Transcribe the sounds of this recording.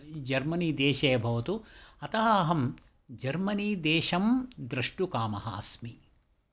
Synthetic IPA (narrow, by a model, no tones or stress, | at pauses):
d͡ʒɐɾmɐniːd̪eːʃɐjɐbʱɐʋɐt̪uɐt̪ɐɦɐɐɦɐm | d͡ʒɐɾmɐniːd̪eːʃɐmd̪ɾɐʂʈukaːmɐɦɐ̰ːsmi